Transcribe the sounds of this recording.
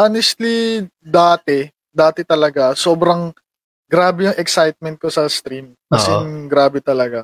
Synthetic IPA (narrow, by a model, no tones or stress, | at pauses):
ʔanɛst̪lid̪aːt̪ɛ | d̪aːt̪ɛt̪ɐlɐɡaso̞ːbɾɐŋ | ɡɾaːbɛɐŋʔɛksajt̪̚mɛnt̪̚kosɐst̪ɾim | kɐsɛɡɾaːbɛt̪ɐlɐɡa